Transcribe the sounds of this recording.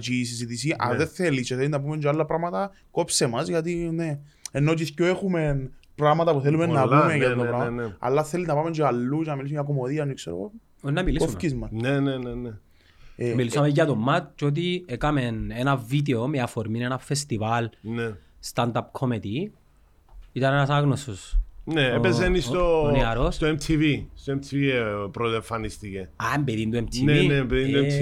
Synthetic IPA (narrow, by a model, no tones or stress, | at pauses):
t͡ʃisizit̪isiʔɐ̰ðeθelit͡ʃeθelinːɐp̬umend͡ʒalːɐpɾɐɣmɐt̪ɐ | kopsemɐzʝɐt̪ineenːot͡ʃiscoexumenpɾɐɣmɐt̪ɐpuθelumenːɐumejɐt̪t̪opɾɐnɐ̰lːɐθelinːɐpamend͡ʒeɐlːut͡ʃenɐmilisuɲaɐkomoðiɐnikseɾo̰ɣo̰ | nːɐmilisoumfcizmɐnnenenene | milisuɐmeʝɐt̪omːɐt̪̚t͡ʃot̪̬iekamenenavid̪eomeafoɾminenafest̪ivalne | st̪and̪ap̚kʰomet̪i | it̪anenasaɣnosusneepes̬enist̪onaɾosst̪oemt̪ʰivist̪oemt̪ʰiviepɾozeɱfɐnist̪ikeambeðind̪uemt̪ʰneinebeðind̪ue